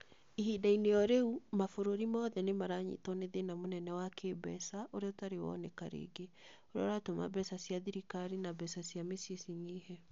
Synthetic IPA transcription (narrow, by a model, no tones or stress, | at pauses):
iɦidainejɔɾeumafoɾoɾimɔðɛnemaɾaɲḭtɔneðenamonɛnɛwakʰebɛ̰saʔoɾeɔtaɾewɔ̰nekaɾḛɡe | oɾeɔɾatoma̰bɛsasiaðiɾikaɾinabɛsasjamesiesiɲihɛ